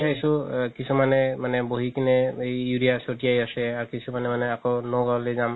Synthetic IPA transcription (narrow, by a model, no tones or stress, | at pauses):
ajsukisumanɛmanɛboɦikinɛejuɹijasotiajasɛaɹkisumanɛmanɛakɔnɔɡɔlezam